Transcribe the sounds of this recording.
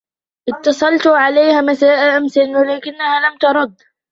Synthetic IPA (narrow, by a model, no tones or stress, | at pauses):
ʔɪt̪ːɑsˤɑlt̪ʕaleːhamasaːʔaʔamsanwalaːkɪnːahalamt̪ɑɾˤɑd̪